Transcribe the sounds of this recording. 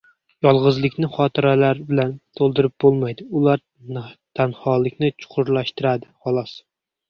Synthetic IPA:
jɒlˠʁɨzlˠɪkʲnɪχɒːt̪ʰɪɾɛlaɾbɪlænt̪ʰolˠd̪ɪɾɪp̚bolˠmajd̪ɪulˠaɾ | t̪ʰænhɑlˠɪkʲnɪt͡ʃʰʊ̥qʰʊɾlˠæʃt̪ɪɾad̪ɪχɑlˠɑs

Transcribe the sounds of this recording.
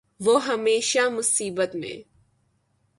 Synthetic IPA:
ʋoɦɐmeːʃamʊsiːbət̪mḛ̃

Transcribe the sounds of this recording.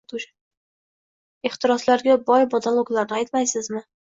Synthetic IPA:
t̪ʊʃ | ɪχt̪ʰɪɾɒslaɾɡʲabɒjbɒd̪alˠoɡlaɾnɪajt̪majsɪzmɪ

